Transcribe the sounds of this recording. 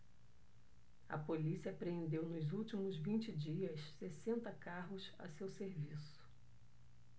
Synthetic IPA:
ɐ̰polisiɐpɾeẽnd̪ewnʊzuwt͡ʃimʊzvĩt͡ʃɪd͡ʒiɐssesẽnt̪ɐkaɦʊsɐ̰sewseɾvisʊ̥

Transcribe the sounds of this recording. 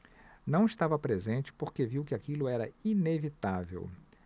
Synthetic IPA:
nɐ̃w̃ɪst̪avɐpɾezẽnt͡ʃɪ̥poɾkeviwkɪakilʊɛɾɐinevit̪avḛw

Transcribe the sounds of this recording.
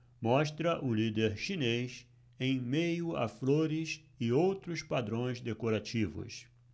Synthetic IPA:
mɔʃt̪ɾɐʔʊlid̪eɾʃines | ẽj̃mejʊa̰floɾɪs | ɪowt̪ɾʊspad̪ɾõj̃zd̪ekoɾat͡ʃivʊ̰s

